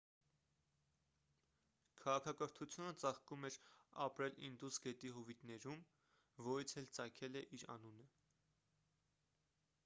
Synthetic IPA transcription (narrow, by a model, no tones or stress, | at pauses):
kʰɑʁɑkʰɑkəɾt̪ʰut͡sʰjunət͡sɑχkumɛɾɑ̰pɾɛlḭnd̪usɡɛt̪iɦɔvit̪nɛɾum | vɔɾit͡sʰɛlt͡sɑkʰɛlɛʔiɾɑ̰nunə